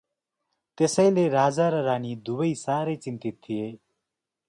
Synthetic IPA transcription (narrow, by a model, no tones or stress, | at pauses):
t̪esʌjleɾaːd͡zaɾʌɾaːnid̪ubʌjsaɾet͡sint̪it̪ʰːije